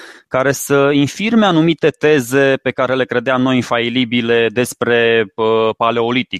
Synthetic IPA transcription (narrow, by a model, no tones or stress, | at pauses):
kaɾe̞səinfirme̞anumit̪e̞t̪e̞ze̞pe̞kaɾe̞le̞kɾe̞d̪eamno̞jinfailibile̞d̪e̞spɾe̞əpale̞o̞lit̪ik